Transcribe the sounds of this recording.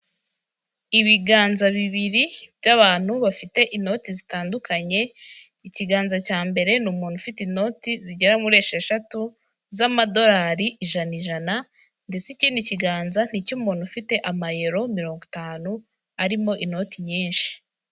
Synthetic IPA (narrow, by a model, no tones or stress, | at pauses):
iβiɡaːnzaβiβiɾibjaβaːn̥huβafite̞ʔino̞tizitaːndukʰaɲe̞ | iciɡaːnzacaːmbe̞ɾe̞numuːn̥hufitino̞ːtiziɟeɾamuɾeːʃeʃatu | zamado̞ɾaːɾiʔiʒaniʒana | nde̞t͡siciːniciɡaːnzan̥icumuːn̥hufite̞ʔamaje̞ɾo̞miɾo̞ːŋɡotaːnu | aɾimo̞ʔino̞tiɲiːnʃi̥